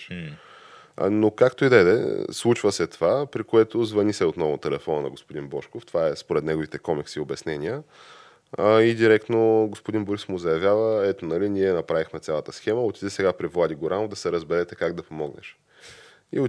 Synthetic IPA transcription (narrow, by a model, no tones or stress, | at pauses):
nokakt̪oid̪ɛd̪ɛ̰slˠut͡ʃvəsɛt̪ovapɾikoɛt̪ozvɐnisɛot̪nɔvʊt̪ɛlɛfɔnənɐ̰ɡospod̪inbɔʃkoft̪ovaɛspoɾɛt̪nɛɡovit̪ɛkɔmiksiobɛsnɛnʲiə | id̪iɾɛkt̪noɡospod̪inboɾismʊzɐjɐvʲjavəɛt̪onɐlinʲiɛnɐpɾavixmɛt̪sʲalˠət̪əsxɛməot̪id̪ɛsɛɡapɾivlˠad̪ʲiɡoɾanod̪ɐsɛɾəzbɛɾɛt̪ɛkaɡd̪ɐpomɔɡnɛ̰ʃ | ḭo